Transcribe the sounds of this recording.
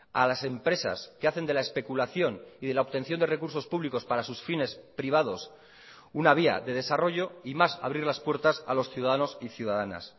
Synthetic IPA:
alase̞mpɾe̞sa̰skeaθe̞nd̪e̞lae̞spe̞kulaθjo̞niðe̞laopt̪e̞nθjo̞nd̪e̞re̞kuɾso̞spuβliko̞spaɾasusfine̞spɾiβ̞að̞o̞s | unaβ̞ia̰ðe̞ð̞e̞saro̞ʝo̞imasaβɾiɾlaspwe̞ɾt̪asalo̞sθjuðaðano̞siθjuðaðana̰s

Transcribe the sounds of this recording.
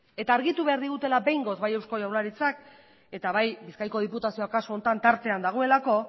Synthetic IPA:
e̞t̪aːɾɣit̪uβe̞aɾðiɣut̪e̞labe̞jŋɡo̞zβaje̞wsko̞jawnaɾit͡sak | e̞t̪aβajbiskajko̞ð̞iput̪asio̞akasoont̪ant̪aɾt̪e̞and̪aɣ̞o̞e̞lako̞

